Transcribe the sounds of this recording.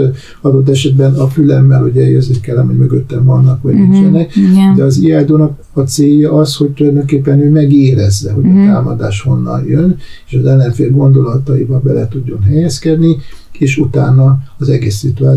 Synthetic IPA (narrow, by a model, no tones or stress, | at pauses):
ɒd̪o̞t̪̬ːɛʃɛd̪bɛnɒfylɛmːɛlhuɟɛjøzikɛlːɒmuɟmøɡøt̪ːɛɱvɒnːɒkʋɒɟmint͡ʃɛnɛkd̪ɛɒziaːjd̪oːnɒk | ɒt̪seːjːɒʔɒsho̞c̚t̪ulɒjd̪o̞ŋkeːpːɛnøːmɛɡeːɾɛzːɛɦo̞ɟɒt̪aːmɒd̪a̰ːʃho̞nːɒ̰njøneːʃɒzɛlːɛɱfeːlɡo̞nd̪o̞lɒt̪ɒibɒbɛlɛt̪uɟːo̞nɦɛjɛskɛd̪nieːʃut̪aːnːɒːzɛɡeːsːit̪uaː